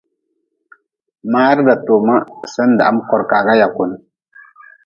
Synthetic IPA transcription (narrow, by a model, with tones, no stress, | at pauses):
ma˦ɾda˨to˨ma˦sə˦n˨da̰˨ʔa˦mkɔ˨ɾka˨ɡa˦ja˨ku˨n˦